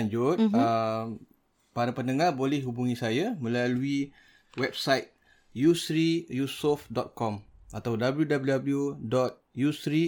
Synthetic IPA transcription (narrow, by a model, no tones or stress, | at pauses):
aɲd͡ʒut̚əm | paɾapənəŋãbolɛhɦubuŋĩsajamə̃lalui | wɛp̚sajt̪̚ | jusɾijusɔfdɔt̪̚kɔmat̪awdabəljudabljudabəljudɔt̪̚jusɾi